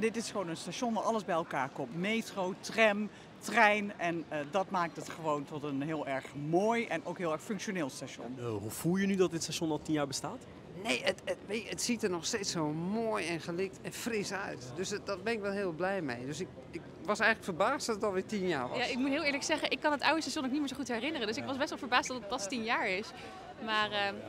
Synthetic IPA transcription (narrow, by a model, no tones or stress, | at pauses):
dɪtɪsxəʋoːnənstaʃɔnʋaʔɑlˠəsbɛjɛlˠkaːrkɔmtmeːtrowtrɛm | trɛjnʔɛnədɔtmaːk̚tətxəʋoːntʰɔtənɦɪəlˠɛrxmoːjʔɛnʔowkɦɪːəɛɹxføkʃjoneːlˠstaʃɔ̰nɦufulˠjənydɔt̚dɪtstaʃɔnɔlˠtinjaːɹbəstaːt | nejətəʋeːəətsitərnɔxsteːtsoːmoːjɛnxəlɪk̚tɛnfrɪsœɥtdøsdɔt̚bɛnɪkʋɛlˠɦɪəlˠblɛjmejdøsɪk | ɪk | ʋɑsɛjɣŋləkfərbaːstdɔtətɔlˠʋɪtinja̰ːɹʋɔaɪk̚mutɦɪːlˠɪːɹləksɛɣəʔɪkːɑnətawəstaʃjɔnoknitmɪːzoxutɦɛrɪnərəndøsɪkʋɑsbɛstʋɛlˠfəɹbaːstdɔtətfɑstinjaːɹɪs | maːrə